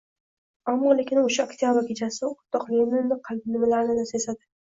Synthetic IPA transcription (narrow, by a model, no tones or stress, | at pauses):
amːɒlekʲɪnʊʃaokt̪ʰjabɪɾkʲʰet͡ʃʰasɪʊt̪ʰːɒqlomɪnːɪqʰɑlb̪ɪnɪmɪlaɾɪnɪd̪asesad̪ɪ